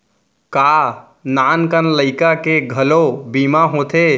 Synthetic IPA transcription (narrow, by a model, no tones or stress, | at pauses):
ka | nankənləɪkakeɡʱəlobimaɦot̪ʰe